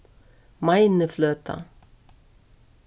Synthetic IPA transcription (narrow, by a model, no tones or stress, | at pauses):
majnəfløːt̪ʰa̰